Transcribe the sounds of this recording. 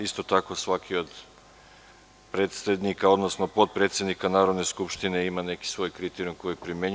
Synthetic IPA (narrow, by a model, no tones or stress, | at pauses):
ist̪o̞t̪ako̞sʋakio̞d̪ | pɾet̪sed̪nikao̞d̪nosnopo̞t̪̚pɾe̞t̪sʲjed̪nikanaːɾo̞d̪ne̞skupʃt̪ineimane̞ki̥sʋo̞jkɾit̪eɾiumko̞jpɾimeɲ